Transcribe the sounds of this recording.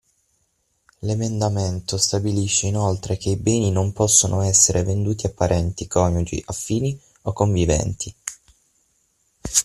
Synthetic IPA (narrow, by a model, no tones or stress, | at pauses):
lemend̪ament̪ost̪abiliʃːeinolt̪ɾek̟eibɛːninompɔsːonʔoɛsːeɾʔevend̪uːt̪iapːaɾʔɛnt̪ikʰɔːɲud͡ʒḭʔafːiːni | okːoɱvivɛ̰nt̪ʰi